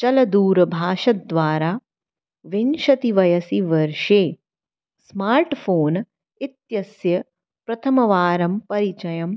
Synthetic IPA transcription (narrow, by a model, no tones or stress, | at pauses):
t͡ʃɐlɐd̪uːɾbʱaːʃɐt̪̚ːʋaːɾaː | ʋinʃɐt̪iʋɐjɐsiʋɐɾʃeː | smaːɾʈfʰoːn | it̪jɐsjɐ | pɾɐt̪ʰɐmɐʋaːɾɐmpɐɾit͡ʃɐjɐm